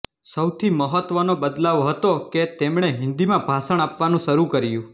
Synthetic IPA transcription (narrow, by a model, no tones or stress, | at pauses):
səwt̪ʰiməɦət̪ʋənobəd̪laʋɦət̪oket̪emɳ̃eɦɪ̃nd̪imãbʱasəɳ̃apʋanũʃəɾukəɾjũ